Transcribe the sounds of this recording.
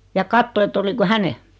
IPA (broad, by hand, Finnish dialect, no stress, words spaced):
jɑ kɑtːo etː oliko hæne